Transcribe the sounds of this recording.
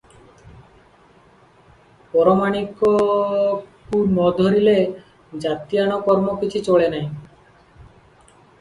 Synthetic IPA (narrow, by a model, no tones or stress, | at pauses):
pɔɾomaɽ̃iko | kunɔd̪ʱoɾile | d͡ʑat̪ianokɔɾmokit͡ɕʰit͡ɕoɭenaj